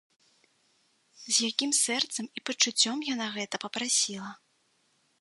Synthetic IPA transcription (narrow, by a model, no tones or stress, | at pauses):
zʲjakʲimsɛrt̪sɐmipɐt͡ʂut͡sʲːɔmjanaɣɛt̪ɐpɐpɾasʲilˠɐ